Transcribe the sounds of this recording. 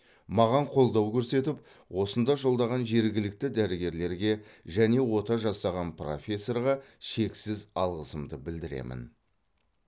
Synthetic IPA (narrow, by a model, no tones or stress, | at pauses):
mɑʁɑɴqʰo̞lˠd̪ɑwkʲʰɵɾse̞t̪ɪp̚ | wo̞sənd̪ɑʒo̞lˠd̪ɑʁɑnʒe̞ɾɡʲɪlɪk̚t̪ɪd̪æɾɪɡʲe̞ɾle̞ɾɡʲe̞ʒæne̞wo̞t̪ɑʒɑsɑʁɑnpro̰fʲe̞sːo̞rʁɑʃe̞ksɪzɑ̰lˠʁəsəmd̪əbɪld̪ɪɾe̞̰mʔɪ̰n